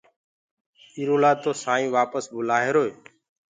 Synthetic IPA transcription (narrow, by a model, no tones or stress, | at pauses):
iːɾoːlaːt̪oːsãːĩːʋaːpəsbʊlaːɦeːɾoːeː